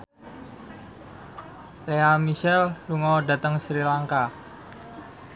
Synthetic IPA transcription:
leamiʃɛlːuŋɔɖa̤t̪əŋsɾilaŋka

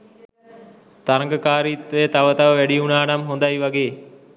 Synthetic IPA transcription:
t̪ɐɾəŋɡəkaːɾiːt̪ʋeːt̪ɐʋət̪aʋəʋɛɽiunaːnɐmɦund̪ajʋɐɡeː

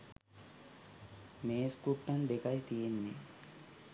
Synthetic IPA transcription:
meːskuʈːɐnd̪ekɐjt̪ijenːi

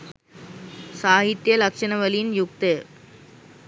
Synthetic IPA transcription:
saːɦit̪jəlɐkʂɐnɐʋəlinjuk̚t̪e

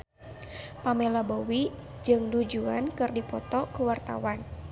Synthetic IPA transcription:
pamelabowi | d͡ʒɨŋdud͡ʒuankɨrdipɔt̪ɔkəwart̪a̰wan

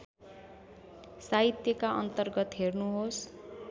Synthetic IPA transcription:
saɦit̪jʌkaʔʌ̰nt̪ʌrɡʌt̪ɦernuɦos

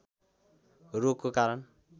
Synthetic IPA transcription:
rokːokaɾʌn

